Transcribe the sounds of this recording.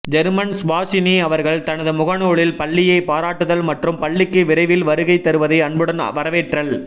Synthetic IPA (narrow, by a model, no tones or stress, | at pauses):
d͡ʒɛɾmɐnsʋaːsɪniɐʋɐɾɣɐɭt̪ɐnɐðɯmʊɣɐnoːɭɪlpɐɭːɪjɐɪpaːɾaːʈːɯðɐlmɐʈrɯmpɐɭːɪkːɯʋɪɾɐɪʋɪlʋɐɾɯɣɐɪt̪ːɐɾɯʋɐðɐɪɐɳbɯɽɐnʋɐɾɐʋeːʈrɐɭ